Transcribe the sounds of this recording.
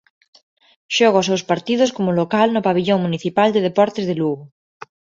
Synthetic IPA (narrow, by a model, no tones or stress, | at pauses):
ʃoɣasewspaɾt̪iðoskomolokalnopaβiʎoŋmuniθipald̪eð̞epɔɾt̪ezðeluɣo